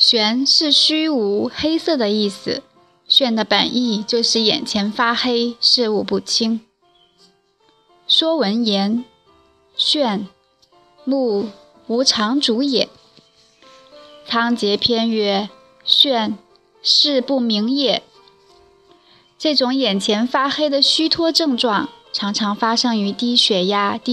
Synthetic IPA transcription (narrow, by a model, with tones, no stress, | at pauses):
ɕɥɛ˧˥nʂɻ̩˥˩ɕy˥u˧˥xe˥ɪsɤ˥˩d̪ə˩i˥˩s̩˩ | ɕɥɛ˥˩nd̪ə˩pə̰˨˩ni˥˧t͡ɕjo˥˧ʊʂɻ̩˥˩jɛ̰˨˩nt͡ɕʰjɛ˧˥nfa˥xe˥ɪʂɻ̩˥˧u˥˧pu˥˩t͡ɕʰi˥ŋ | ʂwɔ˥wə˧˥njɛ˧˥n | ɕɥɛ˥˧˩n | mu˥˩ | u˧˥ʈ͡ʂʰɑ˧˥ŋʈ͡ʂu˧˥jɛ˨˩˦n | t͡sʰɑ˥ŋt͡ɕjɛ˧˥pʰjɛ˥nɥɛ˥ | ɕɥɛ˥˧n | ʂɻ̩˥˧pu˥˩mi˧˥ŋjɛ˥˩ | ʈ͡ʂɤ˥˩ʈ͡ʂʊ˧˥ŋjɛ˨˩nt͡ɕʰjɛ˧˥nfa˥xe˥ɪd̪ə˨ɕy˥t̪ʰwɔ˥ʈ͡ʂɤ˥˧ŋʈ͡ʂwɑ˥˩ŋʈ͡ʂʰɑ˧˥ŋʈ͡ʂʰɑ˧˥ŋfa˥ʂɤ˥ŋy˧˥t̪i˥˩ɕɥɛ˧˥ja˥t̪i˥